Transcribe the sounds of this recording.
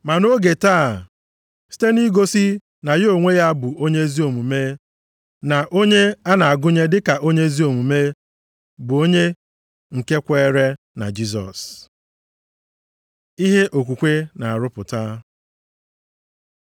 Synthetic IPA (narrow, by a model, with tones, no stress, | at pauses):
ma˨no˦ɡe˨taː˦˨ | si̥˦te˦ni˦ɡo˦si˦ | na˨jo˨ŋʷe˦ja˦bʊ˨o˦ɲe˦zi˦o˨mu˨me˦ | na˨ʔo˦ɲe˦a˦na˨a˨ɡʊ˦ɲe˦dɪ˦ka˨ʔo˦ɲe˦zi˦o˨mu˨me˦ | bʊ˨o˦ɲe˦ | ŋ̩˨ke˦kʷe˦ɾe˦ | na̰˨d͡ʒi˦s̬ɔ̰˨s | i˦ɦe˦ʔo˨k̬ʷu˨kʷe˦na˨a˨ɾʊ˦pʊ˨ta˦